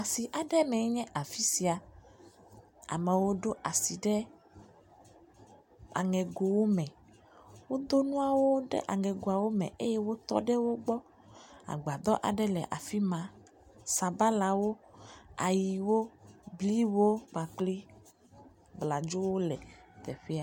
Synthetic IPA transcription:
a˨si˨ʔa˨ɖɛ˦mɛ̃˨˦ɲɛ̃˦ʔa˨fi˦si˨a˨ | a̰˨mɛ˨wo˦ɖo˦ʔa˨si˨ɖɛ˦ | a̰˨ŋɛ̃˨ɡo˨wo˦mɛ̃˨ | wo˦d̪o˦nũ˦a˨wo˦ɖɛ̰˦ʔa˨ŋɛ˨ɡo˨a˨wo˦mɛ̰̃˨ʔe˦jɛ˦wo˦t̪ɔ̰˦ɖɛ˦wo˦ɡ͡bɔ˦ | a̰˨ɡ͡ba˨d̪ɔ˦ʔa̰˨ɖɛ˦lɛ˨ʔa˨fi˦mã˨ | sa˨ba˦la˨wo˦a˨ji˨wo˦bli˦wo˦k͡pa˨k͡pli˦ | bla˨d͡ʒo˦wo˦lɛ˨t̪ɛ˨ɸɛ˦a˦

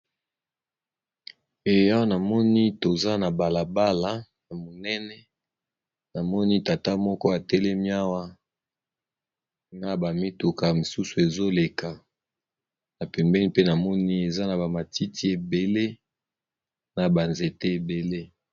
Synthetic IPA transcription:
e˨a˦wa˦na˨mɔ˦ni˦to˨za˦na˨ba˨la˨ba˦la˦na˨mo˨nɛ˦nɛ˦ | na˨mɔ˦ni˦ta˨ta˦mɔ˦kɔ˦a˨tɛ˦lɛ˦mi˦a˦wa˦ | na˦ba˨mi˦tu˨ka˨mi˨su˦su˨e˨zo˦le˨ka˨ | na˨pɛ˨mbɛ˦ni˦pe˦na˨mɔ˦ni˦e˨za˦na˨ba˨ma˨ti˦ti˦e˨be˨le˦ | na˨ba˨nze˨te˦e˨be˨le˦

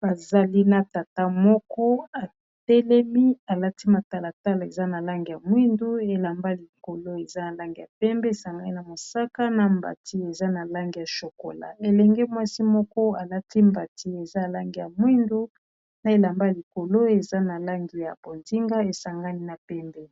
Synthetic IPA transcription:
ba˨za˨li˦na˨ta˨ta˦mɔ˦kɔ˦a˨ | tɛ˦lɛ˦mi˦a˨la˦ti˦ma˨ta˨la˨ta˦la˨e˨za˦na˨la˦ŋɡi˨ja˨mwi˦ndu˦e˨la˨mba˦li˨ko˨lo˦e˨za˦na˨la˦ŋɡi˨ja˨pɛ˦mbɛ˦e˨sa˨ŋɡa˦ni˦na˨mo˨sa˦ka˦na˨mba̰˨ti˦e˨za˦na˨la˦ŋɡi˨ja˨ʃo˨ko̰˨la̰˨e˨lɛ˨ŋɡɛ˦mwa˦si˦mɔ˦kɔ˦a˨la˦ti˦mba˨ti˦e˨za˦a˨la˦ŋɡi˨ja˨mwi˦ndu˦ | na˦e˦la˨mba˦li˨ko˨lo˦e˨za˦na˨la˦ŋɡi˨ja̰˨bo˨nzi˦ŋɡa˦e˨sa˨ŋɡa˦ni˦na˨pɛ˦mbɛ˦˨˦

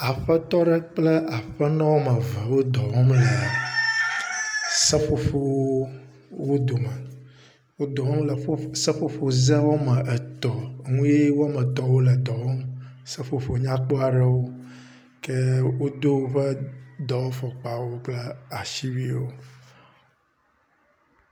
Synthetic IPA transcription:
a˨ɸə˦t̪ɔ˦ɖɛ˦k͡plɛ˦ʔa˨ɸə˦nɔ̃˦wo˦mə˨və˨wo˦d̪ɔ˨wɔ˦mlə˨ | sə˦ɸo˦fo˦ | wo˦d̪o˨mɛ̃˨ | wo˦d̪ɔ˨ɦɔ̃˦mlə˨fo˦sə˦fo˦fo˨zɛ˦wo˦mə˨ʔɛ˨t̪ɔ˨ŋũ˦je˦wo˦a˦mɛ˨t̪ɔ˨wo˦lɛ˨d̪ɔ˨wɔ˦msɛ˦fo˦fo˨ɲã˦k͡po˦a˨ɖɛ˨wo˦ | kɛ˦wo˦d̪o˦wo˦ɸɛ˦d̪ɔ˨wo˦fɔ˨k͡pa˨wo˦k͡plɛ˦a˨ʃi˦wi˦wo˦

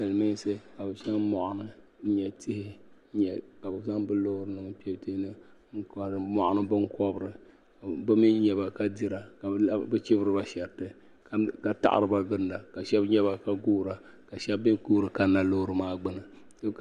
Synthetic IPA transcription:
nɨ˨lmi˦n˦sɨ˦ka˨bɨ˨ʃɛ˦ŋmɔ˨ʔʊ˨nɨ˦n̩˦ɲɛ˨tʰɪ˦hɪ˦ | ɲɛ˨ka˨bɨ˨za˦ŋbɨ˦lo˦hɾɨ˦nɨ˨ŋ˦pɛ˨˦ti˦hnɨ˦ŋ̩˦kmɔ˨ʔa˨nɨ˦bɨ˦ŋkɔ˦bɨ˨ɾɨ˨ | bɨ˦mi˦ɲɛ˨ba˨ka˦di˦ɾa˨ka˨˦bɨ˦t͡ʃɪ˦bɨ˦ɾɨ˦ba˦ʃɛ˨ɾtɨ˦˨ | ka˨ta̰˦ʔa̰˨ɾɨ˨˦ba˦ɡɨ˦nda˨ka˨ʃɛ˦bɲɛ˦βa˦ka˦ɡuː˦ɾa˨ka˨ʃɛ˦bi˦kuː˦ɾɨ˨ka˨na˨lo˦ɾɨ˨maː˦ɡ͡bɨ˦nɨ˨ | dɨ˦

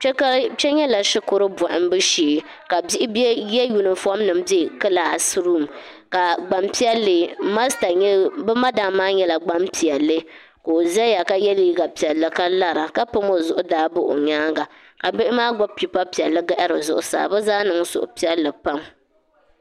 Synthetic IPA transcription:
t͡ʃɛ˦ka˦t͡ʃɛ˦ɲɛ˦la˨ʃɪ˦kʊ˨ɾɨ˦bɔ˨ʔɪ˦m˦bɨ˦ʃiː˨ | ka˨bi˦ʔɪ˦bjɛ˦ju˨nɨ˨fɔ˦mnɨ˨mbe˦˨kɨ˦laː˨sɾu˦˨m | ka˨ɡ͡ba˨mpi˦ɛ˦lːɨ˨ma˦sta˨ɲ˦bɨ˦ma˦da˨maː˦ɲɛ˦la˨ɡ͡ba˦mpi˨ɛ˨lːɨ˦ | koː˨zɛ˦ja˨ka˦jɛ˦li˦i˦ɡa˨pi˨ɛ˨lːɨ˨ka˦la˦ɾa˨ka˦pɨ˦mo˦zʊ˨ʔʊ˦daː˨˦bʊ˦ʔo̰˨ɲaː˦ŋɡa˨ | ka˨bɪ˦ʔɪ˦maː˦ɡɔ˦b̚pi˨pa˦pi˨ɛ˨lːɨ˦ɡa˦ʔa˦ɾɨ˨zʊ˦ʔʊ˦sa̰ː˨bɛ˦zaː˦nɨ˨ŋ˦sʊ̰˨ʔʊ̰˨pi˦ɛ˦lːɨ˨pa˦m

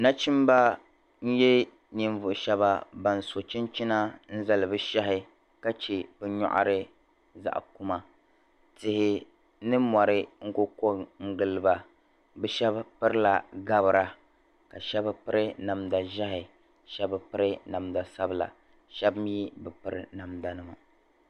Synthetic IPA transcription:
na˦t͡ʃi˦m˦ba˦ | n̩˦jɛ˦ | ni˨ɱvʊ˨ʔʃɛ˦βa˦ba˨n̩˨so˨t͡ʃɪ˦nt͡ʃi˦na˦n̩˦za˦˨lɨ˨bɨ˦ʃa˦ɦɪ˨ | ka˦t͡ʃe˨b̥ɨ˨ɲɔ̰˦ʔa̰˦˨ɾɨ˦ | za̰˨ʔku˦ma˨ | tɪ˨hɪ˨ | nɨ˦ma˨ɾɪ˦ŋ̩˦ko˦ko˦ŋ̩˦ɡɨ˨lɨ˨ba˨ | bɨ˦ʃɛ˦bpɨ˦ɾɨ˦la˨ɡa˦bɨ˨ɾa˦ | ka˨ʃɛ˦bpɨ˦ɾɪ˦na˨mda˨ʒa˦ɦɪ˨ | ʃɛ˦bɨ˦pɨ˦ɾɨ˦na˨mda˨sa˦bɨ˦la̰˨ | ʃɛ˦bɨ˦m˦ji˦bɨ˨pɨ˦ɾɨ̰˨na˨mda˨nɨ˦ma˨

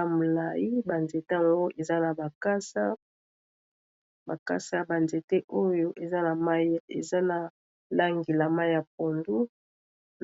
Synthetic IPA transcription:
a˨mo˨la˨ji˦ba˨nze˨ta˦˨ŋɡo˦ʔe˨za˦na˨ba˨ka˦sa˦ | ba˨ka̰˦sa˦ba˨nze˨te˦ʔo˦jo˦ʔe˨za˦na˨ma˦jḛ˨za˦na˨ | la˦ŋɡi˨la˨ma˦ja˨p̚o˨ndu˦

